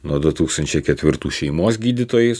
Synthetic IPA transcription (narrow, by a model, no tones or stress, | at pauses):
nuɔd̪ʊt̪uːkst̪ɐnʲt͡ʃʲɛɪkʲɛt̪ʲʋʲɪɾt̪uːʃʲɛɪmoːsɡʲiːd̪ʲɪt̪oːjɛɪs